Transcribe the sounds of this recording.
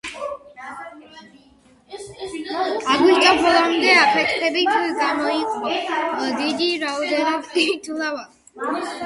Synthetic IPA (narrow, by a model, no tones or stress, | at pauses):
aɡwiʃt̪ʼabɔlˠamd̪ɛapʰɛt̪ʰχɛbit̪ʰɡamɔiqʼvɔdad̪id̪iɾaɔd̪ɛnɔbt̪it̪ʰulava